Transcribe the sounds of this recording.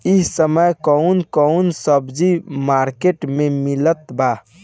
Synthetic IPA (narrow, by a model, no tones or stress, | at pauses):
iɦsəməjkəunkəunsəbd͡ʒimaɾkeʈmemilət̪ba